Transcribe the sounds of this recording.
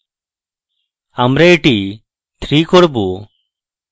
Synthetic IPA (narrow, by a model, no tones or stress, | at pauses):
amɾɛiʈi | t̪ʰɾikɔɾbu